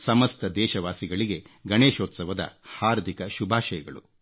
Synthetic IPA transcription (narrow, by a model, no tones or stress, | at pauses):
sɐmɐst̪ɐd̪ɛːʃɐʋaːsiɡɐɭiɡe̞ɡɐneːʃoːt̪sɐʋɐd̪ɐ̰haːɾd̪ʱikɐʃubʱaːʃɐjɐɡɐɭu